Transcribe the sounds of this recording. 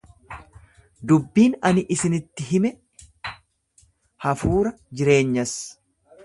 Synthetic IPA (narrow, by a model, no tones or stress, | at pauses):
d̪ʊbːiːnɐnɪʔɪsɪnɪt̪ːɪɦɪmɛ | hɐfuːɾɐd͡ʒɪɾe̞ːɲːɐs